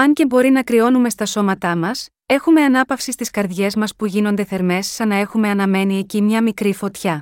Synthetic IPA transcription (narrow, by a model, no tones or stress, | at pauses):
ɐɲce̞bo̞ɾinɐkɾio̞nume̞st̪ɐso̞mɐt̪ɐmɐs | e̞xume̞ɐnɐpɐfsist̪iskɐɾðʝe̞zmɐspuʝino̞nd̪e̞θe̞ɾme̞sːɐnɐe̞xume̞ɐnɐme̞nie̞cimɲɐmikɾifo̞t̪çɐ